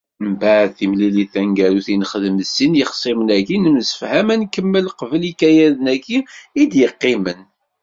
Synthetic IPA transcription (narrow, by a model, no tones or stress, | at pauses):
mbaʕðθimliliθæŋɡæɾuθinχəðməsːinjəχsˤimənækinəmsə̥fhæmænkəmːəlqəvəlikæjæðənækːiːd̪jəqːɪmən